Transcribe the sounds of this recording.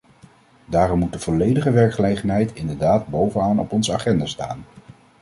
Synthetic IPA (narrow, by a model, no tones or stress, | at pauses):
daːrɔmut̚dəv̥ɔlejdəχəʋɛɹkχəlejχənɦɛjtɪndəɹdaːd̚bowvənaːnɔ̰pɔnzəaχɛndaːsta̰ːn